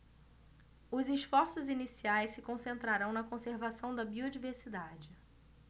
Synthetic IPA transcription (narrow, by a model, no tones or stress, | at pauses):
ʊzɪʃfɔɾsʊzinisiajssɪkõsẽnt̪ɾaɾɐ̃w̃nɐkõseɾvasɐ̃w̃d̪ɐbiod͡ʒiveɾsid̪ad͡ʒɪ